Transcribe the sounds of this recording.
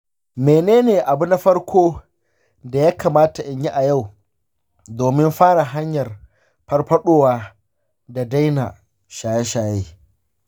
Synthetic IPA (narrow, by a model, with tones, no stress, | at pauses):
meː˨neː˦neː˨ʔa˨bu˦na˦ɸɐ˦ɽkʷʰoː˦ | da˨jaː˦kaː˨maː˦ta˨ʔɪ˨ɲji˦ʔa˨ja˦˨w | doː˨mɪ˦mɸaː˦ɽa˨ɦa˦ɲjɐ˨r | pɐ˦rɸɐ˦ɗoː˦waː˦ | da˨da˦jna̰˨ | ʃaː˨jɛ˦ʃaː˨jeː˦